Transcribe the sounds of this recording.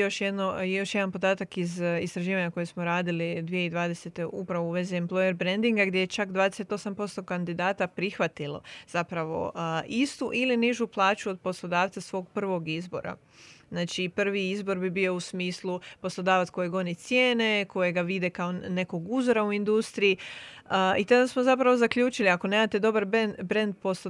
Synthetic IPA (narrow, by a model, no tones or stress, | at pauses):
jo̞ʃjed̪nojo̞ʃjed̪anpo̞d̪aːt̪akizist̪ɾaʒiːʋaɲako̞jesmoɾaːd̪ilid̪ʋijeid̪ʋaːd̪e̞set̪e̞ʔupɾaʋouʋe̞ziemplˠojeɾbɾend̪iŋɡaɡd̪je̞jet͡ʃakd̪ʋaːd̪ese̞t̪o̞sampo̞st̪o̞kand̪id̪aːt̪apɾixʋat̪ilo̰z̥apɾaʋo̞̰ʔist̪uʔiliniʒuplˠaːt͡ʃuo̞d̪̚po̞slˠo̞d̪aːʋt̪sasʋo̞ːɡpr̩ʋo̞ɡizbo̞̰ɾa̰ | znaːt͡ʃipr̩ʋiizbo̞ɾbibiːo̞usmiːslˠupo̞slˠo̞d̪aːʋat̪sko̞jeɡo̞nit̪sjeːne̞ko̞jeɡaʋid̪ekao̞ne̞ko̞ɡuzoɾauind̪ust̪ɾiji | it̪ad̪asmo̞zapɾaʋo̞zakʎʲuːt͡ʃiliako̞neːmat̪ed̪o̞baɾbnbɾe̞nd̪̚pos